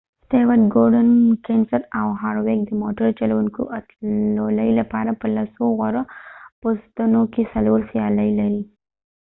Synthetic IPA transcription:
st̪ewaɾɡoɾɖənkensaɾawɦɑɾwek̚d̪əmoʈəɾt͡ʃalawuŋko̰ʔat̪loləjlapɑɾapəlasoɣaɾopost̪anokesaloɾsjɑləjlaɾi

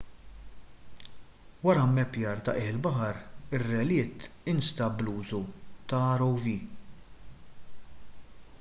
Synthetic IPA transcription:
wɐɾɐmːɛpjɐːɾt̪ɐ̰ʔɪːħɪlbɐħɐɾɪrːɛlɪːt̪ɪnst̪ɐbluːzut̪ɐɐɾɔwviː

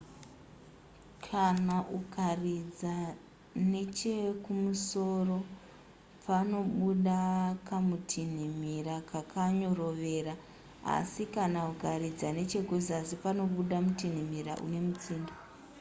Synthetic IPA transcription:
kʰanaʔukarid͡za | ne̞t͡ʃekumuso̞ro̞ | pʰano̞ɓuɗakamutʰin̤imiɾakʰakʰaɲo̞ro̞ʋe̞ːɾa | a̰sikanauɡʱarid͡zane̞t͡ʃe̞kuzazipano̞ɓuɗamutin̤imiɾa̰ʔṵne̞mut͡siːnda

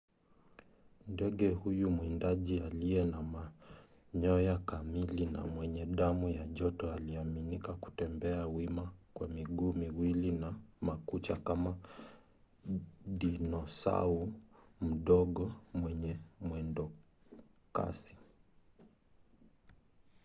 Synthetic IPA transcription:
ndɛɠɛhujumwindaʄialiɛnama | ɲɔjakamilina̰mwɛɲɛɗamujaʄɔtɔaliaminikaku̥tɛmbɛawimakwamiɡuːmiwilinamakut͡ʃakama | ɗinɔsa̰um̩ɗɔɠɔmwɛɲɛmwɛndɔ | ka̰si̥

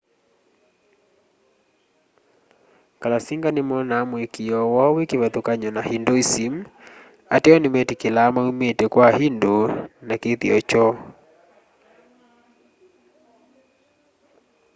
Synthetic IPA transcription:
kalasiŋɡanɪmɔnaːmwekijɔwɔwekeβɛt̪okaɲɔnahindoisim | a̰tɛɔnɪmɛtikelamaumetekwahindonakeθiɔt͡ʃɔ

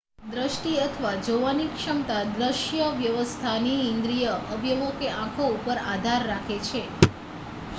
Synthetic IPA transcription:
d̪ɾəʃʈiət̪ʰʋad͡ʒoʋanikʃəmt̪ad̪ɾəʃjəʋjəʋəst̪ʰaniĩnd̪ɾijəʔəbʱjəmokeʔãkʰoupəɾad̪ʱaɾːakʰet͡ʃʰe

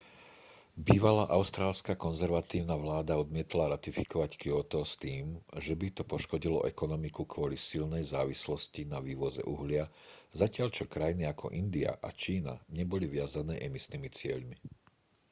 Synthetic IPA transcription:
biːʋalaʔaʊst̪ɾaːlskakɔnzɛɾʋat̪iːʊnaʋlaːd̪aɔd̪mɪɛt̪laɾat̪ifi̥kɔʋackiɔt̪ɔst̪iːmʒɛbit̪ɔpɔʃkɔɟilɔ̰ʔɛkɔnɔmikukʋɔlisilnɛjzaːʋislɔscinaʋiːʋɔzɛ̰ʔṵɦlɪazacɪaʎt͡ʃɔkɾajiniakʰɔ̰ʔind̪ia̰ʔa̰t͡ʃiːna̰ɲɛbɔliʋɪazanɛːʔɛmisnimit͡sɪɛʎmi

